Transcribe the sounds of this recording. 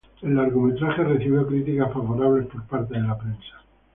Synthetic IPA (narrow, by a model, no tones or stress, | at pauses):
e̞laɾɣume̞t̪ɾaχe̞re̞θiβjo̞kɾit̪ikasfaβo̞ɾaβ̞le̞spo̞ɾpaɾt̪e̞ðe̞lapɾensḁ